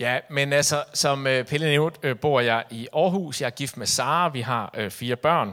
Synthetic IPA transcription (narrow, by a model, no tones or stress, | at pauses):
jæmenælsɒsɒ̽møpʰeləneʊd̥øb̥o̝ɐ̰jɑ̈ɪʔiʔɒːɦṵːsjɑhæɐɡ̥ifd̥mesɑ̈ːʋiɦɑ̈øfiːɐb̥ɶɐ̰n